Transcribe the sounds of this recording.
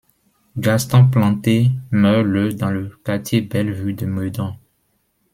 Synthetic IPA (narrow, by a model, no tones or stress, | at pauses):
ɡast̪ɔ̃plɑ̃t̪emœʁləd̪ɑ̃ləkat̪jebɛlvyd̪əmød̪ɔ̃